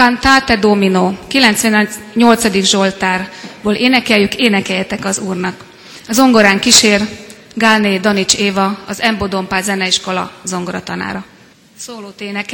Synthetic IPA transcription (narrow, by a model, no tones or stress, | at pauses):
kant̪aːt̪ɛd̪ominoːkilɛnt̪sʋɛnɲo̞lt̪sɒd̪iɡʒo̞lt̪aːrboːlʔeːnɛkɛljykeːnɛkɛjɛt̪ɛkɒzuːrnɒk | ɒzo̞ŋɡo̞ɾaːŋkiʃeːr | ɡaːneːd̪ɒnit͡ʃeːvɒɒzɛmbod̪o̞mpaːzɛnɛiʃko̞lɒ̰zo̞ŋɡoɾɒt̪ɒna̰ːɾɒ | soːloːt̪eːnɛk